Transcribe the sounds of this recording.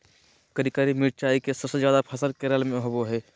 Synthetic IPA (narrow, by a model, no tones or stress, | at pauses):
kəɾikaːɾimɪɾ̚t͡ʃaːikesɐbsed͡ʒjaːd̪apʰəsəlkeɾəlmẽɦoboɦɛː